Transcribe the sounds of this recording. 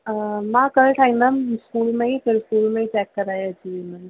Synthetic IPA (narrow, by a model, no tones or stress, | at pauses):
mãkɐlʈʰaːĩd̪ɐmskuːlmẽɦĩpʰɪɾskuːlmẽĩt͡ʃɛːkːɐɾaːjad͡ʒiːmɛn